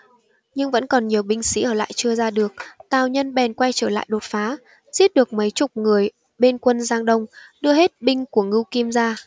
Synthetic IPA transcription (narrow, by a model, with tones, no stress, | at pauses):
ɲɨ˧ŋvə̰˧˥nkɔ˨˩nɲi˨˩əwɓï˧ŋ̟sḭ˧˥ʔəː˧˩la̰ː˧˨jt͡ɕɨ˧əzaː˧ɗɨ˨˩ək̚t̪aː˨˩wɲə˧nɓɛ˨˩nkwa˧jt͡ɕəː˧˩la̰ː˧˨jɗo˨˩t̚faː˨˦ | z̥i˦˥t̚ɗɨ˨˩ək̚mə˨˦jt͡ɕʊ˨˩k͡p̚ŋɨ˨˩əj | ɓe˧nkwə˧nzaː˧ŋɗə˧wŋ͡mɗɨ˧əɦe˦˥t̚ɓï˧ŋ̟ku˧˩əŋɨ˧wki˧əmzaː˧